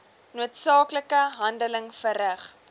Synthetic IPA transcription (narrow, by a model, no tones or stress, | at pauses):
nuːətsɑːkləkəɦɐndələŋfəɾəχ